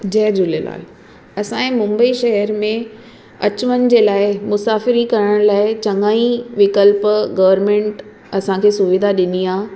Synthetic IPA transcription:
d͡ʑɛɦd͡ʑʊlela̰ːl | ɐsãːẽmʊ̃mbəiʃɐɦəɾmẽ | ɐt͡ɕʋənɪ̆d͡ʑeːlaːɪmʊsaːfɪɾikɐɾəɽ̃laːɪt͡ɕɐ̃ŋaːĩʋɪkəlpɡɐʋəɾmẽːɳʈ | ɐsãkʰeːsʊʋɪd̪ʱaɗɪniãː

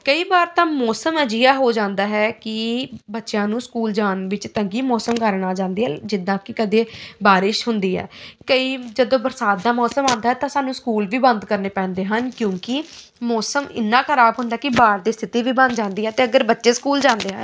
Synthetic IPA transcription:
kəiːbaːɾt̪ãːmɔːsəməd͡ʒɪjaːɦoːd͡ʒãːnd̪aːɦɛːkɪbətːʃjãːnũːskuːld͡ʒaːnʋɪt͡ʃt̪əŋɡiːmɔːsəmkəɾnaːd͡ʒãːnd̪iːɛd͡ʒɪd̪ãːkɪkəd̪eːbaːɾɪʃɦʊnd̪iːɦɛ̰ːkəiːd͡ʒəd̪õːbəɾsaːt̪̚d̪aːmɔːsəmãːnd̪aɦɛːt̪ãːsaːnũːskuːlʋiːbənd̪kəɾneːpɛ̃ːnd̪eːɦənkjõːkɪ | mɔːsəmɪ̰nːãːxəɾaːbɦʊnd̪aɛːkɪbaːɾd̪iːst̪ʰɪt̪iːʋiːbə̃nd̪d͡ʒãːnd̪iːɦɛːt̪eːəɡəɾbətːʃeːskuːld͡ʒãːnd̪eːɦə̰n

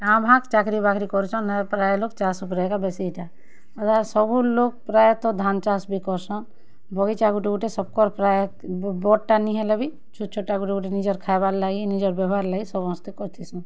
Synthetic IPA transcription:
nãbʱãkt͡ʃakɾibakʰɾikɔɾt͡ʃʰɔnpɾajlok̚t͡ʃasupɾajkabɛsiʈa | ɔd̪asɔbulok̚pɾajt̪ɔd̪ʱant͡ʃasbikɔɾsɔn | bɔɡit͡ʃaɡuʈiɡuʈesɔb̚kɔɾpɾaj | bɔʈ̚ʈaniɦɛlɔbi | t͡ʃʰut͡ʃʰoʈːaɡuʈiɡuʈenid͡ʒɔɾkʰajbaɾlaɡinid͡ʒɔɾbɛbʱaɾlaɡisɔbɔ̃nst̪ekɔɾt̪ʰisɔn

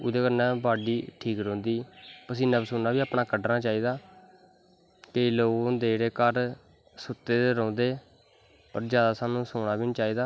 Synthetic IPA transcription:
ʊd̪eːkəɾnɛ̃ːbaːɖiːʈʰiːkɾõːnd̪iːpəsĩːnəbsʊnːaːbiːaːpɳaːkəɖnaːt͡ʃaːiːd̪aː | keiːloːɡnd̪eːɽeːkəɾ | sʊt̪ːeːd̪eɾɔ̃ːnd̪eː | pə̰ɾd͡ʒjaːd̪aːsaːnũːsoːɳaːbint͡ʃaːiːd̪aː

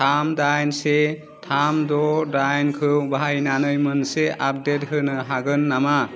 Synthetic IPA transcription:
amdajnse | tʰamdɔdajnkʰɯwbʱaajnanɯjmɯnseap̚det̚kʰɯnɯɦaɡɯnːama

